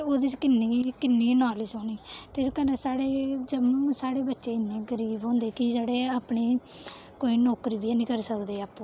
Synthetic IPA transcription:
oːd̪iːt͡ʃkɪnːiːkɪnːiːnaːlɪsoːniːt̪eskənesaːɽeːd͡ʒəmũːsaːɽeːbətːʃeːɪnːẽːɡəɾiːbɦõːnd̪eːkid͡ʒeːɽeːaːpɳiː | koːiːnɔːkɾiːbianĩːkəɾsəkd̪eːaːpːũː

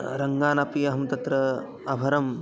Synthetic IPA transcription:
ɾɐŋɡaːnɐpiɐɦɐmt̪ɐt̪ɾɐ | ɐbʱɐɾɐm

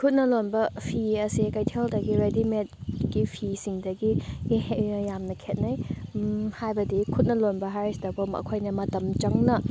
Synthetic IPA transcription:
kʰut̚nɐlonbɐpʰiɐsikɐjtʰeldɐɡiɾedimet̚ɡ̥ipʰisiŋdɐɡihjamnɐkʰet̚nɐj | hajbɐdikʰut̚nɐlonbɐɦaɾstɐbɐmɐ̰kʰojnɐmɐtɐmt͡ʃɐŋnɐ

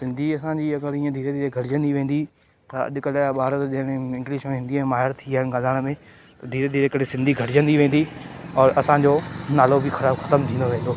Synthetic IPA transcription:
sɪ̃nd̪ʱiɐsãɲd͡ʑiɐɡəɾiːə̃d̪ʱiːɾed̪ʱiːɾeɡʱɐʈɪd͡ʑə̃nd̪iʋẽːn̆d̪i | t̪ɐɐ̰ɗkɐlɓaːɾət̪ʄɐ̃ɦɪɽ̃ɪ̃ŋɡliʃə̃ɦĩnd̪imẽmaːɦɪɾt̪ʰiaːɦɪnɡãːnd̪aːɽ̃mẽ | t̪ɐd̪ʱiːɾed̪ʱiːɾeɪkəɽesɪ̃nd̪ʱiɡʱɐʈɪd͡ʑə̃nd̪iʋẽːn̆d̪iɔːɾɐsãɲd͡ʑoːnaːlobɪxɐɾaːbxɐt̪əmt̪ʰĩːnd̪oʋẽːnd̪oː

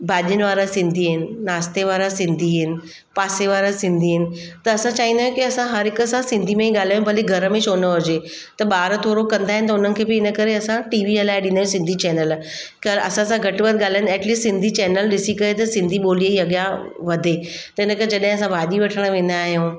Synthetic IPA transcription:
bʱaːʄiənɪʋaːɾasɪ̃nd̪ʱiɦɪnɪ̆naːst̪eʋaːɾasɪ̃nd̪ʱiɦɪnɪ̆ | paːseʋaːɾasɪ̃nd̪ʱiɦɪnɪ̆t̪ɐɐsãt͡ɕaːɦĩnd̪aːjũkiɐsãɦɐɾɦɪkəsãsɪ̃nd̪ʱimẽĩɠaːl̤jaːjũbʱɐliɡʱɐɾəmẽʃoːnəɦʊd͡ʑe | t̪ɐɓaːɾt̪ʰoːɾokɐ̃nd̪aːɦɪnɪ̆t̪ɐʊnənɪ̆kʰeːbɪɪnəkɐɾeɐsãʈiːʋiɐlaːɪɗĩnd̪aːjũsɪ̃nd̪ʱit͡ɕɛːnəl | kɐɾɐsãsãɡʱɐʈʋət̪̚ɠaːlanɛːʈliːssɪ̃nd̪ʱit͡ɕɛːnəlɗɪsikɐet̪ɐsɪ̃nd̪ʱiɓoːlieiɐɠjã | ʋɐd̪ʱe | t̪ɐɪnəkəɾed͡ʑɐɗɦɪ̃ɐsãbʱaːʄiʋɐʈʰəɽ̃ʋẽːn̆d̪aːɦijõː

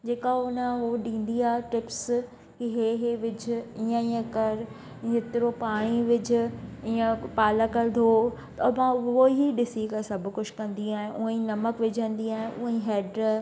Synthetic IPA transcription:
d͡ʑeːkaʊnəɦoɗĩːn̆d̪iaːɦɪʈɪps | kiɦeɦeʋɪd͡ʑʱʊiːə̃iːə̃kɐɾ | ɦɪt̪ɪɾopaːɽ̃iʋɪd͡ʑʱʊ̆iːə̃paːləkɐɾd̪ʱot̪ɐmãoɦiɗɪsikɐɾsɐbʱʊ̆kʊd͡ʑkɐ̃nd̪iaːɦɪ̃ʔʊɦə̃ĩnɐməkʋɪd͡ʑʱə̃nd̪iaːɦɪ̃ʔʊɦə̃ĩɦeːɖ

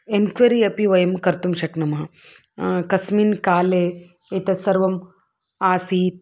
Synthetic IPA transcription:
enkʋɐɾiɐpiʋɐjɐmkɐɾt̪umʃɐknɐmɐɦɐ | kɐsminkaːleːit̪ɐsɐɾʋɐm | aːsiːt̪̚

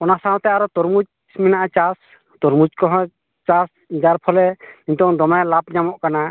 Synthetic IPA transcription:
ɔnasawɔ̃t̪ɛaɾɔt̪ɔɾmud͡ʒ | sminaʔat͡ʃas | t̪ɔɾmud͡ʒkɔɦɔ̃ | t͡ʃas | d͡ʒaɾpʰɔlɛint̪ɔɔŋd̪ɔmajlap̚ɲamɔʔkana

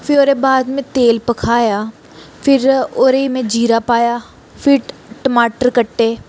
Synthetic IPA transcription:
fɪɾoːɾebaːd̪mẽt̪eːlpɐkʰaːja | fʰɪɾoːɾeimẽd͡ʒiːɾapaːja | fʰɪɾʈʈəmaːʈəɾkəʈːeː

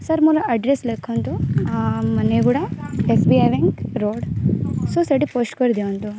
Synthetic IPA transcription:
sɐɾmuɾɐʔɐɖɾeslekʰːont̪u | mɐneɡuːɽɐesbiajʋeŋkɾoːɖsosɐʈipoːsʈkoɾid̪eʋɐnt̪u

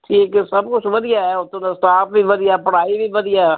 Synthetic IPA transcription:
ʈʰiːksɐbkʊt͡ʃʰʋəd̪ɪjaɦɛʊt̪ːõnãsʈaːpbʱibəd̪ɪjapəɽaːibʱibəd̪ɪja

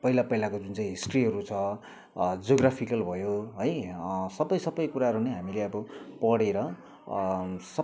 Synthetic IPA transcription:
pʌɦilapʌilakod͡zunt͡saĩɦisʈriɦʌɾut͡sʰʌ | d͡zoɡrapʰikʌlbʱʌjoɦʌjsʌbʌjsʌbʌjkuɾaɦʌɾuneɦamileʌbʌpʌɽeɾʌ | sʌ

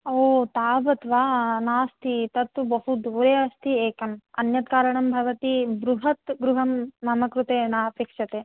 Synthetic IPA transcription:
oːt̪aːbɐt̪ʋaːnaːst̪it̪ɐt̪ːubɐɦud̪ʱuːɾeːɐst̪ʰieːkɐmɐnjɐt̪kaːɾɐɳɐmbʱɐʋɐt̪ibɾuɦɐt̪ɡɾuɦɐmnɐmɐkɾut̪eːnaːɐpeːkʂɐt̪eː

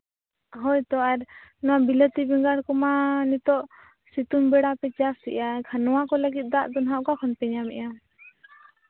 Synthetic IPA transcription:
ɦɔjt̪ɔʔaɾnɔwabilət̪ibɛŋɡaɾkɔmanit̪ɔʔ | sit̪unbɛɽapɛt͡ʃassḭʔakʰanɔwakɔləɡit̪̚ˀd̪aʔd̪ɔnɦaʔkakʰɔnpɛɲamɛ̰ʔa

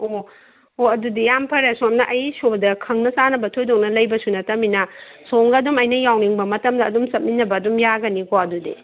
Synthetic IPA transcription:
o | oɐdudijampʰɐɾesomnɐʔɐjsodɐkʰɐŋnɐsanɐbɐtʰojdoŋnɐlɐjbɐsunɐtɐminɐ | soŋɡɐːdumɐjnɐjawniŋbɐmɐtɐmdɐːdumsɐt̚minɐbɐːdumjaɡɐnikoɐdudḭ

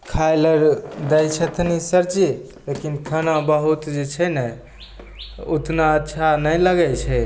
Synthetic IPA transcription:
kʰaləɾd̪əjt͡ʃʰɛt̪ʰnisəɾt͡ʃi | lekinkʰənãbəɦut̪d͡ʒet͡ʃʰɛnɛ | ut̪naətːʃʰanəjləɡɛt͡ʃʰɛ

